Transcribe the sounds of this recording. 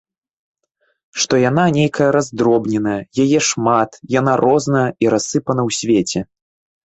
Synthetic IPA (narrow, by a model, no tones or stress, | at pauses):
ʂt̪ɔjan̪anʲejkɐjɐɾazd̪ɾɔbnʲɛnɐjɐjajɛʂmat̪jan̪aɾʔɔznɐjɐiɾasːɨpɐnɐwsʲvʲet͡sʲɛ